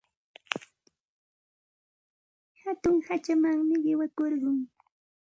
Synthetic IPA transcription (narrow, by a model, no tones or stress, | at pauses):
hat̪ʊŋhat͡ʃamaŋmɪɢɪwakoɾɢʊŋ